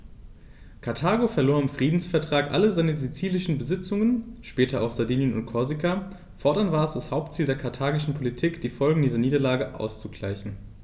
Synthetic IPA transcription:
kʰaɐtʰaːɡofɛɐloːɐɪmfʁ̥iːdn̩sfɛɐtʁ̥aːkʔa̰ləzaɪnəzit͡siːlɪʃn̩bəzɪt͡sʊŋənʃpɛːtɐʔa̰ʊxz̥aɐdiːnjənʊ̰ntkʰɔɐzika | fɔɐdɐnvaːɐɛsd̥ashaʊp̚tt͡siːldeːɐkʰaɐtʰaːɡɪʃn̩pʰolitʰiːkd̥iːfɔlɡŋ̩diːzɐniːdɐlaːɡəʔa̰ʊst͡suɡla̰ɪçn̩

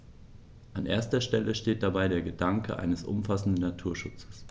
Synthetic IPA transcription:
ʔanʔeːɐstɐʃtɛləʃteːt̚d̥abaɪdeːɐɡədaŋkʰəʔa̰ɪnəsʔʊ̰mfasn̩dn̩natʰuːɐʃʊt͡sə̥s

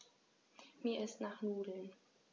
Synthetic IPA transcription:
miːɐʔɪstnaːχnuːdl̩n

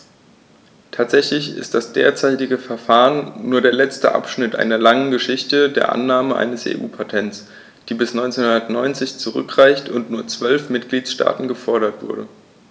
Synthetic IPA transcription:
tʰaːtz̥ɛçlɪçɪ̰st̚d̥asd̥ḛːɐt͡saɪtɪɡəfɛɐfaːʁənːuːɐɾeːɐlɛt͡stə̰ʔa̰pʃnɪtʔa̰ɪnɐlaŋənɡəʃɪçtədeːɐʔa̰nːaːməʔa̰ɪnəsḛːʔṵːpʰatʰɛnts | d̥iːbɪsnɔʏnt͡seːnhʊndɐtnɔʏnt͡sɪçt͡suʁʏ̰kʁ̥aɪçtʊntnuːɐt͡sv̥œlfmɪt̚ɡ̥liːtsʃta̰ːtn̩ɡəfɔɐɾɐtv̥ʊ̰ɐɾə̰

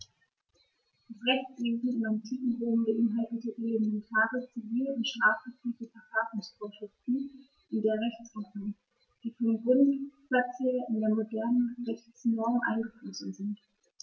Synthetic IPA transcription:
d̥asʁɛçt͡sv̥eːzn̩ɪnaɪntʰiːfn̩ʁoːmbəʔɪnɦaltn̩zoʔelemɛntʰaːʁət͡siviːləʊntʃʁ̥aːfɡ̥ət͡sʁ̥iːɡəfɛɐfaːsʊŋsfoːɐʃʁɪftn̩ | ʔɪndeːɐʁɛçt͡snɔʁən | d̥iːfɔndenɡʁʊntplɛt͡səːɪndeːɐmodɛɐnənʁɛçt͡snɔʁmʔa̰ɪnɡəfloːzn̩zɪnt

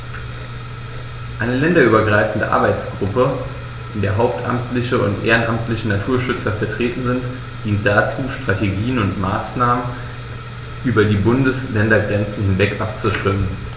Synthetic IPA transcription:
ʔaɪnəlɛndɐʔyːbɐɡʁaɪfn̩də̰ʔa̰ɐbaɪt͡sɡ̥ʁʊpə | ʔɪndeːɐɦaʊp̚tʔa̰mtlɪçəʊ̰ntʔḛːʁənʔamtlɪçənatʰuːɐʃʏt͡sɐfɛɐtʁ̥eːtn̩zɪnt | d̥iːnt̚d̥at͡suːʃtʁ̥ateɡiːənʊntma̰ːsnaːmən | ʔyːbɐdiːbʊndəslɛndɐɡʁɛnt͡sn̩hɪnvɛkʔap̚t͡suʃv̥ɪmən

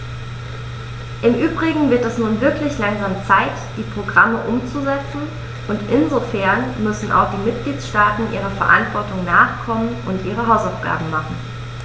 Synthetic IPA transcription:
ʔɪmʔyːbʁɪɡŋ̩vɪɐtɛsnuːnvɪɐklɪçlaŋzaːmt͡saɪtd̥iːpʁ̥oɡʁaməʔʊmt͡suzɛt͡sn̩ | ʔʊntʔɪnzofɛɐnmʏsn̩ʔa̰ʊxd̥iːmɪt̚ɡ̥liːtʃtaːtn̩ʔiːʁ̞ɐfɛɐʔa̰ntv̥ɔɐtʊŋnaːχkʰɔmənʊntʔiːʁ̞əɦaʊsaʊfɡ̥a̰ːbm̩maχn̩

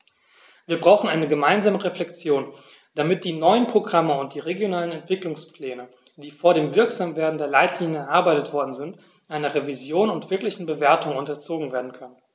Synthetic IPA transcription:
v̥iːɐbʁaʊxn̩ʔaɪnəɡəmaɪnzaːməʁeflɛkt͡sjoːn | d̥amɪt̚d̥iːnɔʏənpʁ̥oɡʁaməʊnt̚d̥iːʁeɡjonaːlənɛntv̥ɪklʊŋspl̥ɛːnə | d̥iːfoːɐɾeːmvɪɐkz̥amveːɐdn̩deːɐlaɪtʰliːnjəɛɐʔaɐbaɪtətv̥ɔɐdn̩zɪnt | ʔaɪnɐʁevizjoːnʊntv̥ɪɐklɪçn̩bəveːɐtʊŋʊntɐt͡soːɡŋ̩veːɐdn̩kʰœnən

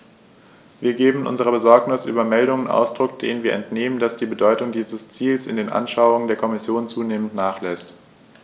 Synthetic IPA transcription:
viːɐɡeːbm̩ʔʊ̰nzəʁ̞ɐbəzɔɐknɪsʔy̰ːbɐmɛldʊŋənʔa̰ʊsd̥ʁʊkd̥ḛːnənviːɐʔɛntneːmənd̥asd̥iːbədɔʏtʊŋdiːzəst͡siːlsɪndeːnʔa̰nʃaʊʊŋəndeːɐkʰɔmɪsjoːnt͡suːneːməntnaːχlɛst

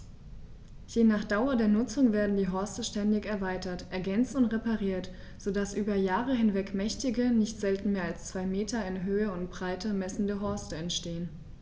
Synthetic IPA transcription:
jenaːχd̥aʊɐdeːɐnʊt͡sʊŋveːɐdn̩diːɦɔɐstəʃtɛndɪçɛɐvaɪtɐtʔɛɐɡɛnt͡stʊntʁepaʁiːɐt | z̥odasʔyːbɐjaːʁəɦɪnvɛkmɛçtɪɡənɪçtz̥ɛltn̩meːɐalst͡sv̥aɪmeːtʰɐɪnɦøːəʊntb̥ʁaɪtəmɛsn̩dəɦɔɐstəɛntʃteːən

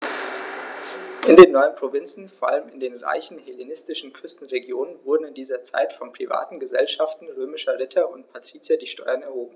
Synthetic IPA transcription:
ʔɪndeːnːɔʏənpʁ̥ovɪnt͡sn̩foːɐʔaləmɪndeːnʁa̰ɪçn̩helenɪstɪʃn̩kʰʏstn̩ʁeɡjoːnənvʊɐdn̩ɪndiːzɐt͡sa̰ɪtfɔnpʁ̥iva̰ːtn̩ɡəzɛlʃaftn̩ʁøːmɪʃɐʁɪtʰɐʊntpʰatʁ̥iːt͡siadiːʃtɔʏɐnɛɐɦoːbm̩

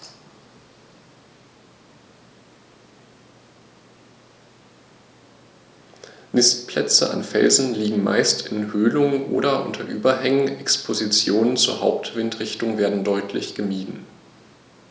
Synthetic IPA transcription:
mɪstpʰlɛt͡sə̰ʔa̰nfɛ̰lzn̩liːɡŋ̩ma̰ɪstɪnhøːlʊŋəʔo̰ːɾɐʔʊ̰ntʰɐʔyːbɐɦɛŋən̩ɛkspʰozit͡sjoːnənt͡suːɐhaʊp̚tv̥ɪntʁ̥ɪçtʊŋveːɐdn̩dɔʏtʰlɪ̰çɡ̥əmiːdn̩

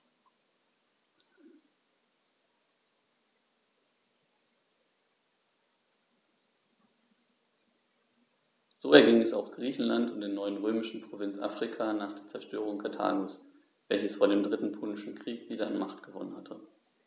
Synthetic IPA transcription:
z̥oːɛɐɡɪŋɛsaʊxɡ̥ʁiːçn̩lantʊntdeːɐnɔʏənʁøːmɪʃn̩pʁ̥ovɪnt͡sʔa̰ːfʁ̥ikʰaːnaːχd̥eːɐt͡sɛɐʃtøːʁ̞ʊŋkʰatʰa̰ːɡus | v̥ɛlçəsfoːɐdeːmdʁɪtn̩pʰoːnɪʃn̩kʁ̥iːkv̥iːdɐanmaχtɡ̥əvɔ̰nənhatʰə

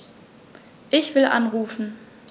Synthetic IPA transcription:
ʔɪçv̥ɪlʔa̰nʁuːfn̩

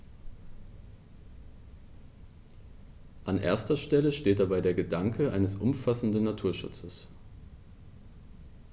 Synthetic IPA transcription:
ʔanʔḛːɐstɐʃtɛləʃteːt̚d̥abaɪdeːɐɡədaŋkʰəʔa̰ɪnəsʔʊmfasn̩dnnatʰuːɐʃʊ̰t͡səs

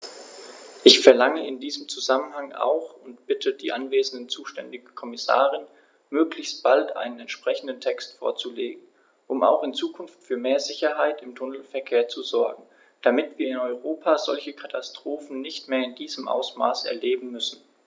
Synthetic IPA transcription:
ʔɪçfɛɐlaŋəɪndiːzəmt͡suzamənhaŋa̰ʊxʊntb̥ɪtʰəd̥ḭːʔanveːzn̩dənt͡suːʃtɛ̰ndɪɡəkʰɔmɪsa̰ːʁɪn | møːklɪçst̚b̥altʔa̰ɪnənɛntʃpʁ̥ɛçn̩dən̩tʰɛkstfo̰ːɐt͡suleːɡŋ̩ | ʔʊma̰ʊxɪnt͡suːkʰʊnftfyːɐmeːɐzɪçɐɦaɪtɪmtʰʊnl̩fɛɐkʰeːɐt͡suzɔɐɡŋ̩ | d̥amɪtv̥iːɐɪnɔʏʁoːpʰaːzɔ̰lçəkʰatʰastʁ̥oːfn̩nɪçtmeːɐɪndiːzəmʔa̰ʊsma̰ːsɛ̰ɐleːbm̩mʏsn̩

